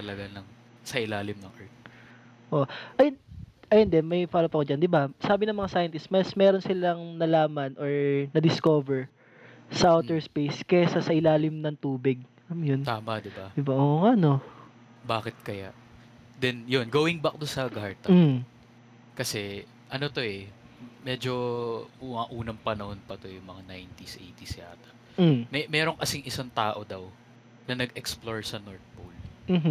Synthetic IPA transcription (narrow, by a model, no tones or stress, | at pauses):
t̪ɐlɐɡanɐŋ | sɐʔɪlaːlɪmnɐŋʔɛɹt̪̚ | ʔoʔɐjnɐjɐnd̪ɛmɐjfaːlopɐkod͡ʒɐnd̪ɪbasaːbɪnɐŋmɐŋasajɐnt̪ɪst̪mɐsmɛːɾonsɪlɐŋnɐlaːmɐnʔoɹnɐd̪ɪskoːvɛɹ | sɐʔawt̪ɛɹspejskɛsɐsɐʔɪlaːlɪmnɐŋt̪uːbɪɡ̚ | ɐmjont̪aːmɐd̪ɪbad̪ɪbaʔoʔŋano̞ | baːkɪt̪̚kɐjaʔ | d̪ɛnjonɡoːwɪŋbɐk̚d̪onsɐɡaɹt̪ɐ | kɐsɛ | ʔɐno̞t̪o̞ʔɛmɛːd͡ʒo̞ʔuaʔuːnɐŋpɐnɐho̞npɐt̪o̞jʊŋmɐŋanajnt̪isʔḛjt̪isɪa̰ːt̪ɐ̥ | mɛmɛːɾo̞ŋkɐsɪŋʔɪsaŋt̪aːʔo̞d̪ɐw | nɐnɐɡɛksploɹsɐnoɹt̪̚polm̩ːɦ